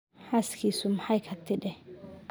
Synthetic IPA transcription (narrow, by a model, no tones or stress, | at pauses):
haskisumhajkʰat̪ːiɗɛ